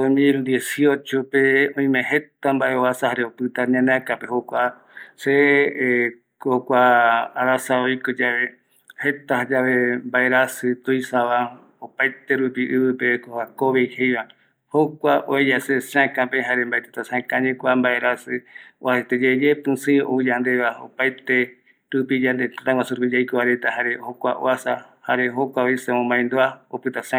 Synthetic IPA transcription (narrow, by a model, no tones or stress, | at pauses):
d̪omild̪iesio̞t͡ʃopeõĩmẽɦet̪ambaʔeoasahaɾeopɨt̪aɾɲãnãkapehokʷa | se | kokʷaːɾasaoikod͡ʒaβe | het̪aɦad͡ʒaβembaeɾasɨt̪oijsaβa | opajt̪eɾupiʔɨβɨpekoakoβejhejβa | hokʷaʔoejasesãkãpeɦaɾembaet̪et̪asãkãɲẽkʷambaeɾasɨoaet̪ed͡ʒed͡ʒepɨ̃sɨ̃ʔoid͡ʒand̪eβao̰pajt̪e | ɾupid͡ʒand̪et̪at̪aɡʷasuɾupid͡ʒajkoβaɾet̪aɦaɾehokʷa̰ʔo̰asahaɾeɦokʷaoisemõmbaj̃nd̪oaopɨt̪asã